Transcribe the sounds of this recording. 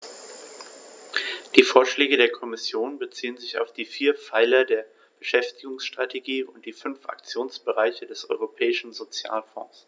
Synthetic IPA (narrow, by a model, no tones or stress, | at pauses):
d̥iːfoːɐʃlɛːɡədeːɐkʰɔmɪsjoːnbət͡siːənzɪça̰ʊfd̥iːfiːɐfaɪlɐdeːɐ | b̥əʃɛftɪɡʊŋsʃtʁ̥atʰeɡiːʊnt̚d̥iːfʏnfʔa̰k̚t͡sjoːnsb̥əʁaɪçədɛsʔɔ̰ʏʁopʰɛːɪʃn̩zot͡sja̰ːlfɔ̰̃ːs